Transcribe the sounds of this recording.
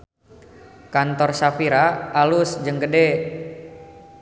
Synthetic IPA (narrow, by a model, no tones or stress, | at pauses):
kant̪ɔrsafiɾaalʊsd͡ʒəŋkədɛ